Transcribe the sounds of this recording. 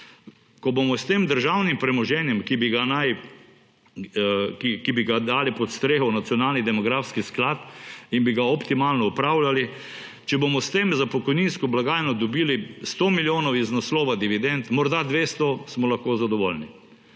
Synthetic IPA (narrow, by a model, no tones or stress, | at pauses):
kɔbomɔst̪eːmd̪əɾʒawnimpɾɛmɔʒɛnjɛmkibiɡanaj | kikibiɡad̪aːlipɔt̪st̪ɾeːxɔwnat̪sjɔnalnid̪ɛmɔɡɾaːfskisklaːt̪inbiɡaɔpt̪imaːlnɔɔpɾawlali | t͡ʃɛbomɔst̪eːmzapɔkɔjninskɔblaɡaːjnɔd̪ɔbiːlist̪omiljoːnɔwiznɔslɔːʋad̪iʋid̪ɛnt̪mɔɾd̪ad̪ʋeːst̪ɔsmɔlaxkoːzad̪ɔʋolni